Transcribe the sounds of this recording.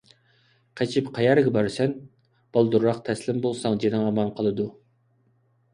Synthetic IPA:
qʰæt͡ʃʰɪpqʰɑjɑɾɡʲɛbɑɾsɛn | b̥ɑlˠd̪uɾːɑqt̪ʰɛslɪmbolˠsɑŋd͡ʒenɪŋɑmɑnqʰəlˠɨd̪u

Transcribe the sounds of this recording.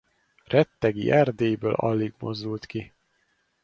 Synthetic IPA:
rɛt̪ːɛɡḭʔɛrd̪eːjbøːlɒ̰lːiɡmo̞̰zd̪ult̪ki

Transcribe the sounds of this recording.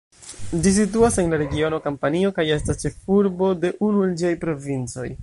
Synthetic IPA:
d͡ʒis̬ituase̞nlaɾe̞ɡio̞no̞kampanio̞kaje̞stast͡ʃe̞fuɾbo̞de̞ʔunuend͡ʒiajpɾo̞vint͡so̞̰j

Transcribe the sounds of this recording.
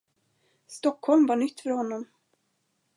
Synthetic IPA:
st̪ɔkʰːhɔlmvaɳʏt̪ːfœɾhɔnːɔm

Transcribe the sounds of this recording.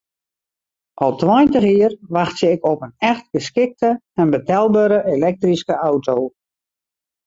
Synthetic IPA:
ʔɔlˠtwɔjntəxiərʋaxtsəɪkɔpənɛxt̚ɡ̥əskɪk̚tə | ɛnbətɛlˠbəːɾəʔelɛk̚triskəʔawtʰow

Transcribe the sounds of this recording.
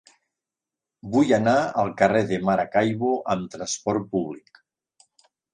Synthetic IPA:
bujanaalˠkareðemaɾakajβoʔəmt̪ɾaspɔɾpuβlik

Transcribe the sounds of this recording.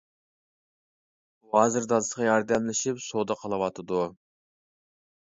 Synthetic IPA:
buɦɑzɨɾd̪ɑsʁʰɑjɑɾd̪ɛmlɪʃipsod̪ɑqʰəlˠɨwɑt̪ʰɨd̪u

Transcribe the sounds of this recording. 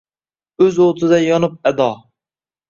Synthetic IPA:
øzot̪ʰɨd̪ɛjɒnup̚ɛd̪ɑ

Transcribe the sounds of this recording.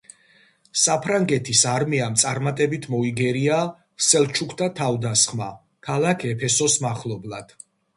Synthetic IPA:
sapʰɾaŋɡɛt̪ʰisaɾmiamt̪sʼaɾmat̪ʼɛbit̪ʰmɔiɡɛɾia | sɛlˠt͡ʃʰukʰt̪ʰat̪ʰavd̪asχma | kʰalˠakʰɛpʰɛsɔsmaχlˠɔblˠad̪̥

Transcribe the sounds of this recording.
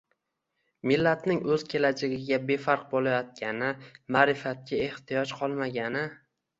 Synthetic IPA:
mɪlːat̪nɪŋɵz̥kʲʰe̞lad͡ʒaɡʲɪɡʲabe̞faɾq̚bolajɒt̪̚kʲʰanɪmaːɾɪfat̪̚kʲʰae̞ht̪ijɒt͡ʃqʰɒlˠmaɡʲanɪ

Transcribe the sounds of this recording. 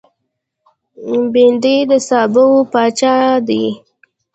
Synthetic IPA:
bind̪id̪əsɑbəwopɑt͡ʃɑd̪i

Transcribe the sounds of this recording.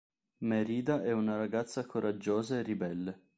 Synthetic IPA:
meɾiːd̪aʔɛunaɾaɡat̪sːakoɾʔad͡ʒːoːzaerːibɛlːe

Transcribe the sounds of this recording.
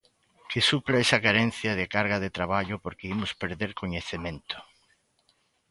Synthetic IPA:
kɪsuplaesɐkaɾen̟θjɐðekaɾɣaðɪt̪ɾaβ̞aʎʊpoɾkeimʊspeɾðeɾkoɲeθemẽnt̪ʊ̥

